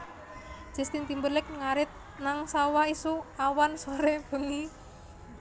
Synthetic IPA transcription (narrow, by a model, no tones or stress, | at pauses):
d͡ʒ̥əst̪int̪imbəlɪk̚ŋaɾɪt̪̚ | naŋsawaisuawansoɾeb̥ə̤ŋi